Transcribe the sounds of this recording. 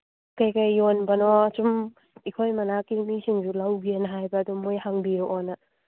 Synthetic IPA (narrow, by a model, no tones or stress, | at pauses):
kajkajːonbɐnɔɐt͡ʃum | ikʰojmɐnakimisiŋd͡ʒulawɡienɐɦajbɐːdumojhaŋbiɾoʔɔnɐ